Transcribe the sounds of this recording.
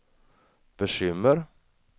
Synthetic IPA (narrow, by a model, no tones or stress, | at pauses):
b̥əʃʏməɾ